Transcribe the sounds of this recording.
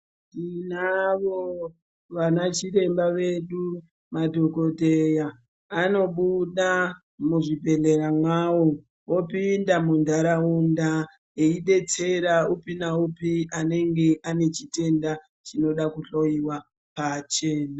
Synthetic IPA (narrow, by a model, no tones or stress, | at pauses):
ninaʋo | ʋanat͡ʃiɾe̞mbaʋe̞ɗu | madʱoko̞dʱe̞jaː | no̞ɓuɗa | muʐibʱe̞ɮe̞ɾamwawo | wopindamundʱaɾaunda | eiɗe̞t͡se̞ɾaupinaupiane̞ŋɡe̞ʔane̞t͡ʃite̞nda | t͡ʃino̞ɗakuɬojiwa | pat͡ʃe̞ːna